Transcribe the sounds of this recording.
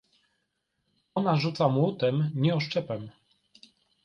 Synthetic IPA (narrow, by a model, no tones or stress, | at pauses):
ɔnaʐut̪samwut̪ɛmɲɛɔʂt͡ʂɛpɛm